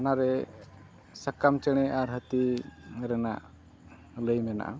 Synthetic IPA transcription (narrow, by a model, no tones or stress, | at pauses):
anaɾɛ | sakamt͡ʃəɽ̃ɛʔaɾɦət̪iɾɛna̰ʔ | ləjmɛna̰ʔa̰